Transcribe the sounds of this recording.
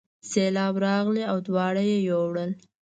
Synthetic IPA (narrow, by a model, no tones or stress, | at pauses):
selɑbɾɑɣleawd̪wɑɽajejowɽəl